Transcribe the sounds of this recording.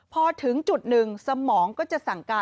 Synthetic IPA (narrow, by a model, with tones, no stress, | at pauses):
pʰɔː˧t̪ʰɯ˩˦ŋt͡ɕu˨˩t̪̚nɯ˨˩ŋsa˧mɔː˩˦ŋkɔː˥˩t͡ɕa˨˩ʔsa˨˩ŋkaː˧